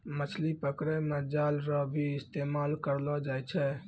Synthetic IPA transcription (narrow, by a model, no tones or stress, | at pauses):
mət͡ʃʰlipəkɾemed͡ʒalɾɔbʱiɪst̪emalkəɾlɔd͡ʒajt͡ʃʰɛ